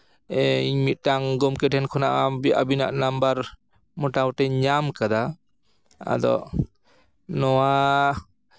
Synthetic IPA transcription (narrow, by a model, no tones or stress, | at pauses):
ɛiɲmit̪̚taŋɡɔmkɛʈɛnkʰɔnaʔabia̰bina̰ʔnambaɾ | mɔʈawʈɛɲamkad̪a | a̰d̪ɔ̰ | nɔwa